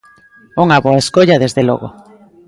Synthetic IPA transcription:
uŋaβoaeskoʎaðezðelo̰ɣo̰

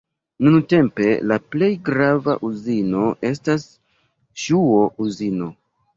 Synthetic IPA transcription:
nunte̞mpe̞laple̞jɡɾava̰ʔuzino̞ʔe̞s̬tas | ʃuo̞ʔuzino̞

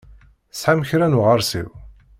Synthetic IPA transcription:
sħamçɾænuʁəɾˤsḭw

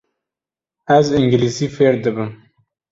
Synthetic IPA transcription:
azɪŋɡilisifeɾd̪əbəm

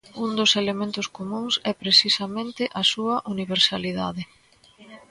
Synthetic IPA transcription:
und̪ʊselemẽnt̪ʊskomũŋsɛpɾesisɐmẽnt̪ɪʔɐsuɐʔuniβ̞eɾsaliða̰ðɪ

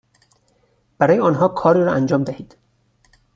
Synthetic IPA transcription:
b̥æɾɒːjeɒːnɦɒːkʰɒːɾiːɾɒʔænd͡ʒɒːmd̪æhiːd̪̥

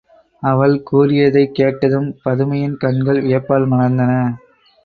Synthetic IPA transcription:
ɐʋɐɭkuːrɪjɐðɐɪkːeːʈːɐðɯmpɐðɯmɐjɪnkɐɳɡɐɭʋɪjɐpːaːlmɐnɐnd̪ɐnɐ

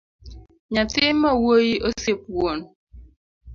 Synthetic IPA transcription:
ɲatɪmawojiʔosep̚won

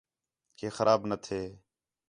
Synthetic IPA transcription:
keːxəɾʔaːbnət̪ʰeː

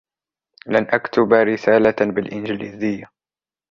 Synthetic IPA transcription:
lanʔakt̪ʊbaɾɪsaːlabɪlʔɪnd͡ʒɪliːzɪjːa

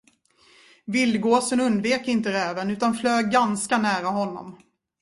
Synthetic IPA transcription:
vɪlɡoːsənɵnd̪veːkɪnt̪əɾɛːvənʉ̟ːt̪anfløːɡanskanæːɾaɦɔnːɔ̰m

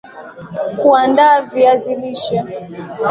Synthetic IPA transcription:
kuandaviaziliʃa

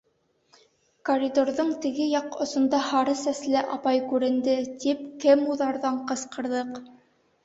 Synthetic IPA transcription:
koɾʲid̪oɾðɤɴt̪ɘ̆ɡɘjɑqŏsŏnd̪ɑhɑɾɤsæslɘʔɑpɑjkʉɾɘ̆nd̪ɘt̪ip̚kɘmuðɑɾðɑɴqɤ̆sqɤ̆ɾðɤq

